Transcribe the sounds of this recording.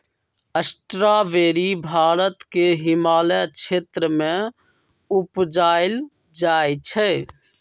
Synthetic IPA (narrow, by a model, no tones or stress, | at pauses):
əsʈɾaʋeːɾibʱaːɾət̪keɦɪmaːlat͡ʃʰeːt̪ɾəmẽ | upd͡ʒaːɪl | d͡ʒaːt͡ʃʰɛ